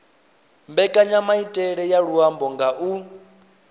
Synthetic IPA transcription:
mbɛkʼaɲamaitʼɛɺɛjaɺuambɔŋɡaʔu

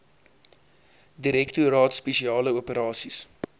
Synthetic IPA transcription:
diɾɛktuɾɑːtspeʃiɑːləupəɾɑːsis

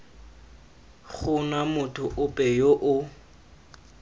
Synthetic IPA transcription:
ɣʊnamʊtʰʊʔʊpʼɛjoʔʊ

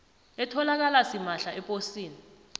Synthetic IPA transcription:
ɛtʰɔlak̬alasimaɬaʔɛpʼosiːni

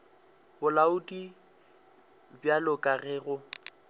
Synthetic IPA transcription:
bʊlaʊdʼi | bjalʊkʼaɣɛːɣʊ

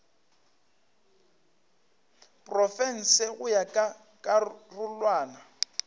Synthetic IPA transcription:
pʼrɔfɛn̩sɪɣʊjakʼa | kʼarʊlwaːna

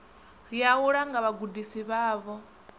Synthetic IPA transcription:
ɺiauɺaŋɡaβaɡudisiβaːβɔ

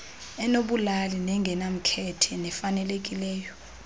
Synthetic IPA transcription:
ɛnoɓulalinɛŋɡʱɛnam̩kʰɛtʰɛnɛfanɛlek̬ʼilɛːjɔ

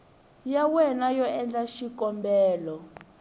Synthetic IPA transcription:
jawɛnajɔɛnd͡ɮaʃikɔmbɛːlɔ

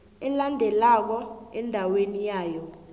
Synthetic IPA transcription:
ɛlandʱɛlak̬ɔɛndʱawenijaːjɔ

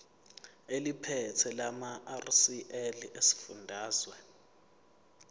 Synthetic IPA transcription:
elipʰɛtʰɛlamaarsiʔɛlesi̥fundʱaːzwɛ

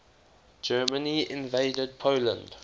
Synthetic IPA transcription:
d͡ʒɜːmə̃niɪ̃nveɪdəd̚pʰolə̰̃nd

